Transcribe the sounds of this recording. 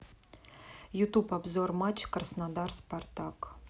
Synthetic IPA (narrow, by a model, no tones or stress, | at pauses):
jut̪upabzormat͡ɕkərəsnad̪ɑrspart̪ɑk